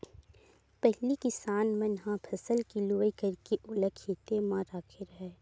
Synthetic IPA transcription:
pɛɦlikɪsaːnmẽnɦãpʰɐsəlkiloːikɐɾkeʔʊləkeːt̪emãɾaːkʰeɾɐɦɛː

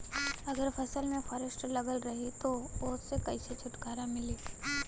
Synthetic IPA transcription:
ɐɡəɾfʰɐsəlmẽfʰɐɾəsʈlɐɡəlɾɐɦit̪oʊːsekɐiset͡ʃʰʊʈɡaːɾamɪliː

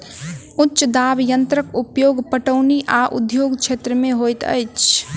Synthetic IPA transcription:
ʊtːʃəd̪abjənt̪ɾəkupjoːɡpəʈəʊniʔaʔʊ̰d̪ʱjoːɡt͡ʃʰet̪ɾəmẽɦojt̪ə̰jt͡ʃʰ

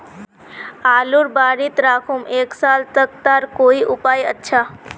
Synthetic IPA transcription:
aːluɾbaːɾit̪ɾaːkʰumʔeːksaːlt̪ək̚t̪aːɾkoːiʔʊpaːjətːʃʰaː

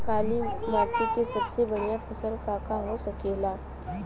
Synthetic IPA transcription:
kaliːmat̪it͡ɕesəbt͡sebənjafəsəlk̪akaɦosəkela

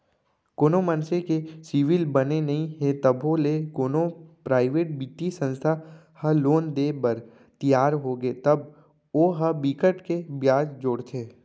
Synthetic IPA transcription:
koːnomənsekesiʋɪlbɐnenɐɦĩɦet̪ɐbolekoːnopɾaːɪʋeːʈ̚bit̪ːisə̃nst̪ʰa | hɐloːnd̪eːbəɾ | t̪ijaːɾɦoɡet̪ɐb | oːɦəbikəʈkebjaːd͡ʒd͡ʒoːɽt̪ʰeː

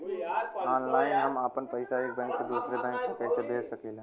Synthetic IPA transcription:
aːnlaːɪnɦɐmaːpənpɐɪsaeːk̚bɛ̃ːŋksed̪uːsɾebɛ̃ːŋksekɛːseb̪eːsəkeːlẽː

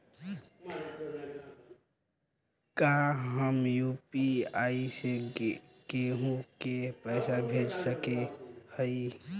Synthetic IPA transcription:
kaɦəmjuːpiaːise | keɦũkepəɪsabʱed͡ʒsəkehəi

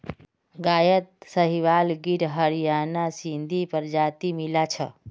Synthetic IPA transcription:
ɡajət̪̚səɦiʋalɡiɾɦəɾijanasind̪ʱipəɾd͡ʒat̪imilat͡ʃʰə̰

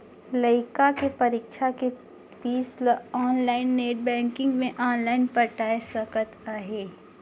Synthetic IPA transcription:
ləɪkakepɐɾiːkʃake | piːslɔːnlaːɪnːeːʈ̚bɛ̃ːŋkɪ̃ŋɡmẽʔɔːnlaːɪnpɐʈaːesɐkət̪aːɦeː

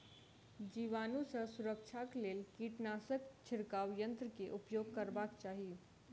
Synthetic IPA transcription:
d͡ʒiʋanũsə̃suɾək̚t͡ʃʰaklelkiʈnasəkt͡ʃʰɪɾkaʋjə̃nt̪ɾəkeʔupjoɡ̚kəɾbakt͡ʃaːɦi

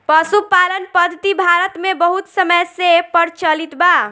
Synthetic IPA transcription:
pəsupalənpəd̪ʱət̪ibʱaɾət̪mebəɦut̪səməjsepəɾt͡ʃəlit̪ba

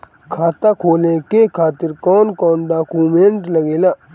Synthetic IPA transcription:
kʰaːt̪akʰoːlẽkekʰaːt̪ɪɾkɔːnkɔːnɖaːkuːmẽɳʈlɐɡeːlaː

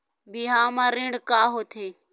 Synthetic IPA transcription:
biːɦãːmãːɾẽːɳɽkaːɦoːt̪ʰeː

